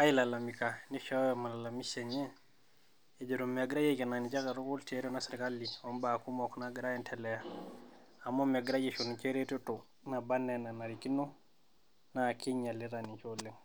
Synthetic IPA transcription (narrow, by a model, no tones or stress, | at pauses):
ajilalamikaniʃawemalalamiseɲe | ed͡ʒoɾumːeaɡɾajekenanit͡ʃakaɾokulteɾonasiɾkalːiombakumoknaɡɾajentʰelɛja | amomeɡɾajiʃont͡ʃeɾetoto | nabanːenanaɾikino | nakiɲaliɾanit͡ʃolːeŋ